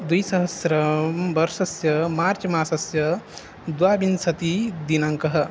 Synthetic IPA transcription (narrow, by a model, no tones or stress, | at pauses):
d̪ujsɐɦɐsɾɐmbɐɾʃɐsjɐmaːɾt͡ʃmaːsɐsjɐ | d̪waːbinsɐt̪id̪inaŋkɐɦɐ̆